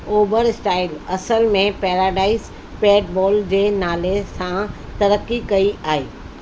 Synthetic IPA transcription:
oːbəɾsʈaːɪlɐsəlmẽpɛːɾaːɖaːɪs | peːɖ̚bɔːld͡ʑeːnaːlesãt̪ɐɾəkːikɐiaːɦeː

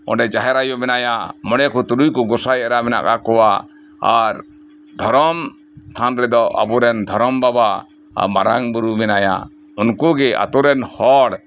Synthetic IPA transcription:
ɔ̰̃ɖɛd͡ʒaɦɛɾajɔmɛnajaməɽɛkʰut̪uɾujkɔɡɔsajɛɾamɛna̰ka̰kɔwa | a̰ɾ | d̪ʱɔɾɔm | t̪ʰanɾɛd̪ɔʔa̰bɔɾɛnd̪ʱɔɾɔmbaba | a̰ma̰ɾaŋbuɾumɛnaja̰ | unkuɡɛʔa̰t̪ɔɾɛnhɔɽ

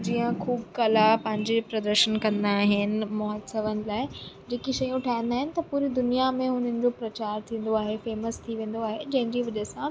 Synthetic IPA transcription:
d͡ʑiːə̃kʰuːbkɐlapɐ̃ɦɪ̃ɲd͡ʑepɾɐd̪əɾʃənkɐ̃nd̪aːɦɪnɪ̆mɔɦd̪səʋənɪ̆laːɪd͡ʑeːkiʃɐjũʈʰaːɦɪ̃n̆d̪aːɦɪnɪ̆t̪ɐpuːɾid̪ʊnijamẽɦʊn̤ənɪ̆d͡ʑopɾɐt͡ɕaːɾt̪ʰĩːn̆d̪oaːɦefeːməst̪ʰiʋẽːn̆d̪oaːɦed͡ʑɐ̃ɦɪ̃nd͡ʑiʋɐʄəsã

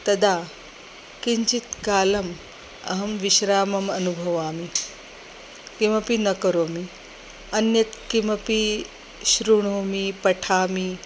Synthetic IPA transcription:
t̪ɐd̪aː | kiɲt͡ʃit̪kaːlɐm | ɐ̰ɦɐmʋiʃɾaːmɐmɐnubʱɐʋaːmi | kimɐpinɐkɐɾoːmi | ɐnjɐt̪kimɐpi | ʃɾuɳ̃oːmipɐʈʰaːmi

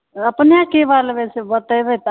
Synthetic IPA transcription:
əpnjakeʋalbesebət̪əjbet̪

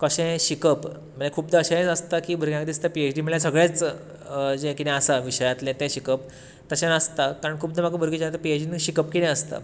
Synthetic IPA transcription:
kəɕɛ̃ɕikəp | məlakʰuːpd̪əːɕaẽt͡səst̪akiːbəɾɡjãkd̪ist̪apiet͡ɕɖiːm̤əɭjasəɡɭjet͡s | d͡ʑẽkit̪ɛ̃əsaʋiɕəjat̪lɛ̃t̪ɛ̃ɕikəp | t̪əɕẽnəst̪akaɾəɳkʰuːp̚d̪əmakə̃bəɾɡid͡ʑat̪əpiet͡ɕɖinɕikəpkid̪ɛ̃əst̪a̰

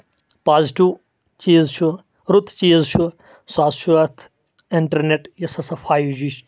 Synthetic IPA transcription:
paːzʈuː | t͡ʃiːzt͡ʃʰu | ɾut̪ʰt͡ʃiːzt͡ʃʰu | saːsʃuɐt̪ʰ | iɳʈɐɾneʈjɐsɐsɐfʰaːjd͡ʒiːʃ

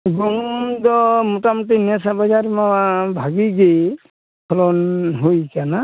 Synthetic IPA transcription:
ɡɔnd̪ɔmutamutinasabad͡ʒaɾmabʱaɡiɡej | kʰɔlɔnɦojkana

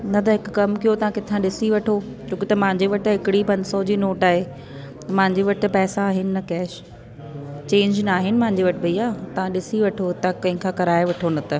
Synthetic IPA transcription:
nɐt̪ɐɦɪkʊ̆kɐmkijot̪ɐʋãkɪt̪ʰãɗɪsiʋɐʈʰo | d͡ʑoːkɪt̪ɐmɐ̃ɦɪ̃ɲd͡ʑeʋɐʈɦɪkɪɽipɐ̃nd̪sɔd͡ʑiːnoːʈaːɦe | t̪ɐmɐ̃ɦɪ̃ɲd͡ʑeʋɐʈ̆pɛːsaːɦɪnɪ̆nɐkɛːʃ | t͡ɕẽːɲd͡ʑnaːɦɪnɪ̆mɐ̃ɦɪ̃ɲ̆d͡ʑiʋɐʈʰbɐiaːt̪ɐʋ̤ãɗɪsiʋɐʈʰot̪ɐkɐ̃ɦɪ̃kʰãːkɐɾaːeʋɐʈʰonɐt̪ɐ

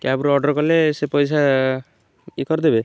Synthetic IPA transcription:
kabuɾɔɖɔɾkɔlesepɔjsa | ikɔɾd̪ebe

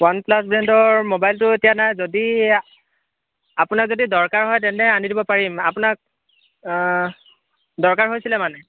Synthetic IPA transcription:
wanplasbɛntɔɹmobajltʊetijanajzodi | apʊnak̚zodidɔɹkaɹɦɔjtɛnɛanidibɔpaɹimapʊnak̚ | dɔɹkaɹɦojsilɛmanɛ

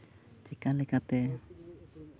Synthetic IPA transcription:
t͡ʃikalikat̪e

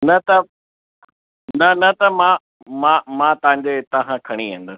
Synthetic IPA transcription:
nɐt̪ɐ | nɐnɐt̪ɐmã | mãmãt̪ɐɦãɲd͡ʑet̪ɐɦãkʰɐɽ̃iɦẽn̆d̪əsɪ̥

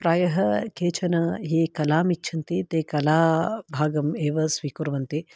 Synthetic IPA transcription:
pɾaːjɐɦɐkeːt͡ʃʰɐnɐɦiːkɐlaːmit͡ʃːʃʰɐnt̪it̪eːkɐlaːbʱaːɡɐmeːʋɐsʋiːkuɾʋɐnt̪i

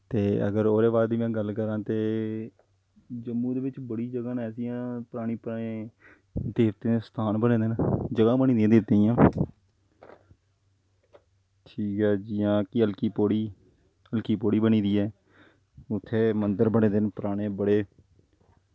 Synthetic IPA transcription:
t̪eːə̰ɡəɾoːɾeːbaːd̪iːẽːɡəlkəɾãːt̪eː | d͡ʒəmːũːd̪eːʋɪt͡ʃbəɽiːd͡ʒəɡãːnɛːsijãːpəɾaːɽ̃iːpːeː | d̪eːʋt̪eːst̪ʰaːnbəɽ̃ẽːd̪ɪnd͡ʒəɡãːbəñiːd̪ĩjãːd̪eːt̪eːjãː | ʈʰiːkɛːd͡ʒɪjãːkɪəlkiːpoːɽiː | əlkiːpoːɽiːbəɳ̃iːd̪iːɛː | ʊt̪ʰːeːmənd̪əɾbəɳ̃ẽːd̪ɪnpəɾaːɽ̃eːbəɽeː

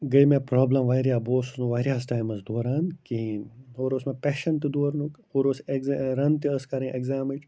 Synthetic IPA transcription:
ɡɐjmẽpɾoːblɐmʋaːjɾijaːboːsunuʋaːɾijaːsʈaːjmɐsd̪oːɾaːnkiːnɦoːɾoːsmẽpeːʃɐnt̪id̪oːɾnukhoːɾoːseɡzɾɐnt̪iɐskɐɾĩʔeɡzaːmɐd͡ʒ

